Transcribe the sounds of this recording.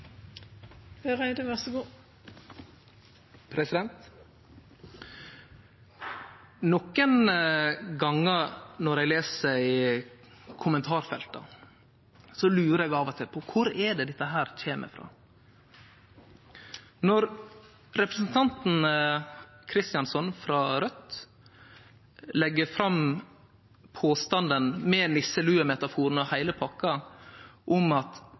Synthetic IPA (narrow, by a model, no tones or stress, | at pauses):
høʁæɪd̪əʋœʁsəɡuː | pʰɾɛsɪd̪ɛnt̪ | nɔkːən | ɡɑŋːəɾnɔɾɛɡleːsəɪ | kʰʊmənt̪ʰɑːɾfɛlt̪ə̰ | sɔlʉːɾəɾɛɡɑːʋɔt̪ʰɪlpʰɔkʰʊɾɛɖ̪ɛd̪ɛt̪ːəɦæːɾc͡çeːmʔə̰fɾɑ̰ː | nɔɾ | ɾɛpɾəsn̩t̪ʰɑnt̪n̩ | kʰɾɪst̪ɪɑnsɔnfɾɑɾœt̪ | lɛɡːəfɾɑm | pʰoːst̪ɑnd̪ənmɛɛnlɪsːəlʉːəmɛt̪ɑfuːɾn̩ɔhæɪləpʰɑkːɑ | ʔʊmɑt̪